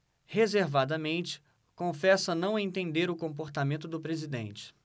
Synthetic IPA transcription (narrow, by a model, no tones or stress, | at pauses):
hezeɾvad̪ɐmẽnt͡ʃɪ̥ | kõfɛsɐnɐ̃w̃ẽnt̪ẽnd̪eɾʊkõmp̬oɾt̪amẽnt̪ʊd̪ʊpɾezid̪ḛ̃nt͡ʃɪ̥